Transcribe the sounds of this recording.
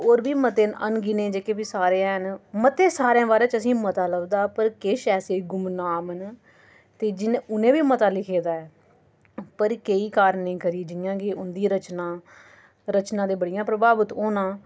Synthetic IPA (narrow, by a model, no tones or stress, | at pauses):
oːɾbiːmət̪eːnə̰nɡɪnẽːd͡ʒeːkeːbiːsaːɾeːãɦənmət̪eːsaːɾãːbaːɾẽːt͡ʃəsĩːmət̪aːləʋd̪aːpəɾkeːʃɛːseːɡʊmnaːmən | t̪eːd͡ʒɪnʊnẽːʋiːmət̪aːlɪkʰeːd̪aːɛː | pəɾkeiːkaːɾnĩːkəɾiːd͡ʒɪjãːɡeːʊnd̪iːɾət͡ʃnãː | ɾət͡ʃnãːd̪eːbəɽɪjãːpɾəbaːbət̪oːnãː